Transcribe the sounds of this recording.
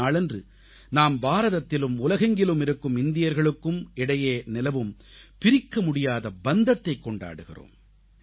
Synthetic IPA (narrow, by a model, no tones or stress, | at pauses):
aːɭɛndrɯ | naːmbaːɾɐðɐt̪ːɪlɯmʊlɐɣɐŋɡɪlɯmɪɾɯkːɯmɪnd̪ɪjɐɾɣɐɭɯkːɯmɪɽɐjeːnɪlɐʋɯmpɪɾɪkːɐmʊɽɪjaːðɐbɐnd̪ɐt̪ːɐɪkːɔɳɖa̰ːɽɯɣɪ̰ro̰ːm